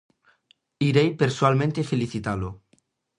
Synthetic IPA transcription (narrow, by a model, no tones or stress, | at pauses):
iɾejpeɾswalmẽnt̪efeliθit̪alo